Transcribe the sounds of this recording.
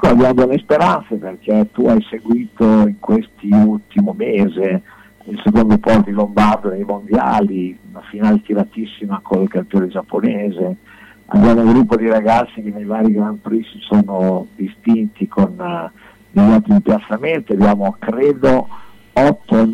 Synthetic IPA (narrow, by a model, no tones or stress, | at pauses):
ɛkːoabjaːmod̪elːespeɾant̪seperk̟et̪uajseɡwiːt̪oiŋkwest̪iult̪imomeːze | ilsekond̪opɔst̪d̪ilombard̪od̪ejmond̪ja̰ːliunafinaːlet̪iɾat̪isːimakʰonlkampjoːned͡ʒapːoneːze | a̰bjaːmouɡɾupːod̪iɾaɡat̪sːik̟enːejvaːɾiɡɾanpɾisisoːnod̪ist̪int̪ikʰon | d̪eʎːɔlt̪ːimipjat̪sːament̪iabjaːmokɾeːd̪o | ɔt̪ːo